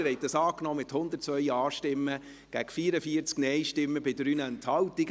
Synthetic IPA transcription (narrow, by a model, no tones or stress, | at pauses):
hɛɪt̚dɑsɑːknɔːmɪthʊnd̪əɾtt͡sʋœʏɑːʃtɪmːə | ɡ̥æɡ̥fiːɾəfiəɾt͡sknɛjʃtɪmːəbɪdɾyːnɛnt̪hɑwti